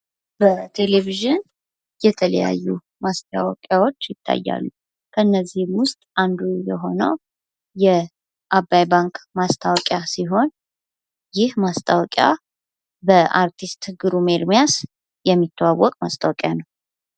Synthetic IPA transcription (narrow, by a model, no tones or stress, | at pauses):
bət̪ʰe̞leviʒɨn | jɛt̪ʰələ̰ja̰jːu | mast̪ʰʼawɔkʼjawo̞t͡ʃːjɪt̪ʰːa̰jːa̰lːu | kʰəɨnːəzːihmwʊst̪ʼʔand̪ujɛɦo̞nə̰w | jɛ | ʔabːajbaŋkmast̪ʰawɔkʼjasiɦo̞n | jɪhmast̪ʰʼawɔkʼja̰ | bəʔaɾt̪ʰist̪ɡɨɾume̞ɾmijas | jɛmːit̪ʰːəwawːɔkʼmast̪ʰʼawɔkʼjanəw